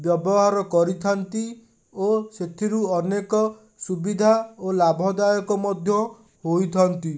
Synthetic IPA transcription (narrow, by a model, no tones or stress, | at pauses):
bjɔbɔɦaɾɔkɔɾit̪ʰant̪i | oset̪ʰiɾuɔnekɔ | subid̪ʱaolabʱɔd̪ajɔkɔmɔd̪ʱjɔ | hojt̪ʰɔnt̪i